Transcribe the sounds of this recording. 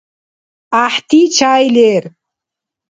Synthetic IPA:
aːħt̪ʰiːt͡ʃʰaːjleːɾ

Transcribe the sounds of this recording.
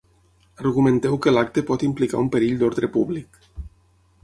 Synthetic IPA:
ərɣumẽnt̪ɛwkəlak̚t̪əpɔt̪implika̰umpeɾiʎd̪oɾd̪ɾəpuβlik

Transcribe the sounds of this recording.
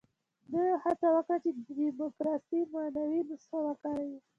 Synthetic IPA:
d̪əjhat͡sawəkat͡ʃedimokɾɑsimanawinʊsxawakaɾaji

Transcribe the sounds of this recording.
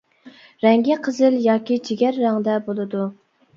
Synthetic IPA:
ɾɛŋɡʲiqʰəzɪljɑːkʲit͡ʃʰiɡʲɛɾːæŋd̪ɛbolˠɨd̪u

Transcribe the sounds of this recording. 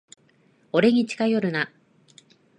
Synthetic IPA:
o̞ɾe̞ɲ̟it͡ɕi̥kajo̞ɾɯ̟na

